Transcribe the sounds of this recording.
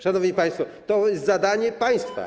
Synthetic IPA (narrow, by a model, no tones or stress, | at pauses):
ʂanɔvɲipaj̃st̪fɔt̪ɔjɛst̪zad̪aɲɛpaj̃st̪fa̰